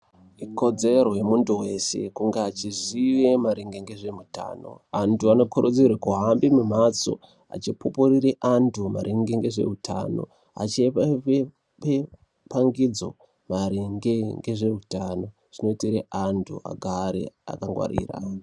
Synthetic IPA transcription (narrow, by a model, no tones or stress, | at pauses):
iko̞d͡zeɾo̞jemuntuwe̞se̞̰kuŋɡeat͡ʃiziʋe̞maɾiŋɡeŋɡeʐe̞muta̰no̞̰antʰuano̞kʰoɾud͡zirwekuɦambimum̤at͡so̰ | a̰t͡ʃipopuɾiɾeʔantʰumaɾʔiŋɡeŋɡe̞ʐe̞̰utʰa̰no̞̰ | a̰t͡ʃepe | pe | paŋɡid͡zo̰ | maɾiŋɡeŋɡeʐeutano̞ | ʐ̥ino̞itiɾeʔantʰṵʔa̰ɡʱaɾḛa̰kaŋɡwa̰ɾḭːra̰